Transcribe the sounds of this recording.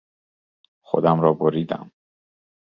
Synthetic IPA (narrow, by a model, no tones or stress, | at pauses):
xo̰d̪æmɾɒːboɾiːd̪æ̰m